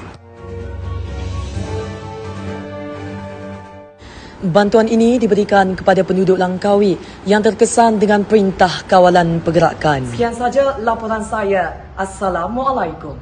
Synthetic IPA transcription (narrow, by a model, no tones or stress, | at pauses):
bant̪uaninĩdibəɾikankə̥padapəndudʊʔlaŋkawiʔ | jaŋt̪ərkəsandəŋãnpəɾint̪ahkawalanpəɡəɾa̰kansəkiansad͡ʒalapoɾansaja | ʔasalamwalajkum